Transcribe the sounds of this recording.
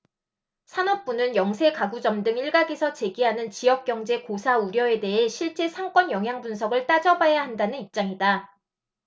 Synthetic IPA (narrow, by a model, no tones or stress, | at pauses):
sʰanʌp̚p͈unɯnjʌŋsʰe̞kaɡud͡ʑʌmdɯŋiɭɡaɡesʰʌt͡ɕe̞ɡiɦanɯnt͡ɕijʌk̚k͈jʌŋd͡ʑe̞kosʰauɾjʌe̞de̞ɦe̞ɕʰiɭt͡ɕ͈e̞sʰaŋk͈wʌnjʌŋɦjaŋbunsʰʌɡɯɭt͈ad͡ʑʌbajaɦandanɯnip̚t͡ɕ͈aŋida